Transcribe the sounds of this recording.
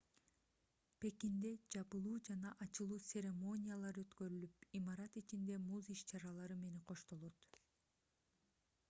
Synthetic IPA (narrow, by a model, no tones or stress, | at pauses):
pe̞kind̪e̞d͡ʒɑpɯlˠuːd͡ʒɑnɑʔɑt͡ʃɯlˠuːsʲe̞ɾʲe̞mo̞nʲijalˠɑɾø̞t̪kø̞ɾylypimɑɾɑt̪it͡ʃind̪e̞muziʃt͡ʃʰɑɾɑlˠɑɾɯme̞neqʰo̞ʃt̪o̞lˠo̞t̪